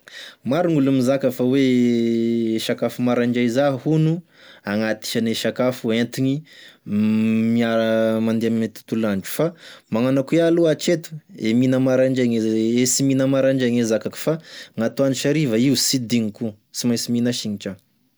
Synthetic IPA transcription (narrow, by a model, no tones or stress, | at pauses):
maɾuŋulumizakəfawe | ʃakafumaɾaɳd͡ʒajzaɦihunu | aŋat̪i̥ʃaneʃakafuent̪iɲi | miaɾmand̪eamet̪i̥t̪ulaɳd͡ʒu̥famaŋanakuialuat͡ʃet̪u̥eminəmaɾaɳd͡ʒaɲeesiminəmaɾaɳd͡ʒaɲezakaku̥faŋat̪uaniʃaɾivaiusid̪iŋiku | simajsiminaʃiɲit͡ʃa